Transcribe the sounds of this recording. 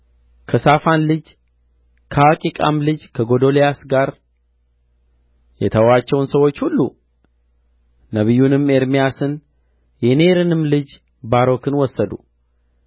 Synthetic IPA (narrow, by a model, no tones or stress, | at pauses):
kʰəsafanlɨd͡ʒ | kʰəwakʼikʼa̰mlɨd͡ʒkʰəɡo̞d̪o̞lijasɡaɾ | jɛt̪ʰəwat͡ʃːɛwnsəwo̞t͡ʃːhulːu | nəβɨjːunɨme̞ɾmijasɨn | jɛne̞ɾɨnɨmlɨd͡ʒ | baɾo̞kɨnwɔsːəd̪ṵ